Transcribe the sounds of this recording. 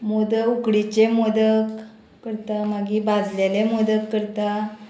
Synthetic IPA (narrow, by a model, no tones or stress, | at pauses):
mod̪əukɽit͡ɕemod̪ək | kəɾt̪amaɡibad͡zlelemod̪əkkːəɾt̪a